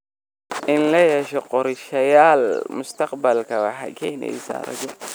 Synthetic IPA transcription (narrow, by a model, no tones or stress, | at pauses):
ʔɪnlɐjɛʃɔqɔɾʃɐjaːlmʊst̪ʰɐqbɐlkʰɐwɑħɑ̰ːkʰɛːnɛ̰jsa̰ːɾɐ̰d͡ʒɔ